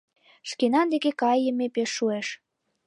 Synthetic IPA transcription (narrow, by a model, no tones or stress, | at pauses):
ʃkenɑnd̪ekekɑjːəmepeʃːueʃ